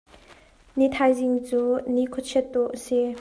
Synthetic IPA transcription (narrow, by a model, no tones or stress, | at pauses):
nit̪ʰajziŋt͡suːnikʰut̪̚t͡ɕʰɛt̪̚ːuʔʔəsi